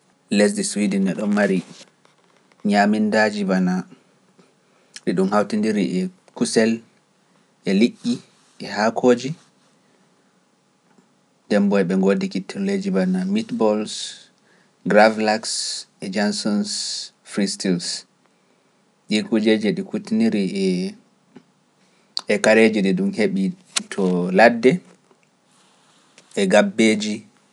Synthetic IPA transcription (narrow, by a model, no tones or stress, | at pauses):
lɛs̬diswidɛnɛɗɔmmaɾi | ɲamindad͡ʒibana | ɗiɗumhawtindiɾiʔɛ | kusɛl | ʔɛliʔːi | ɛhakʰoːd͡ʒi | dɛmbɔjɓɛŋɡodikitʰːɛlled͡ʒibanamitbɔls | ɡɾavlaksʔɛd͡ʒansɔns | fɾistils | ɗikud͡ʒed͡ʒɛɗikutiniɾiɛ | ɛkaɾed͡ʒiɗɛɗumheɓi | tʰɔladːɛ | ɛɡabːeːd͡ʒi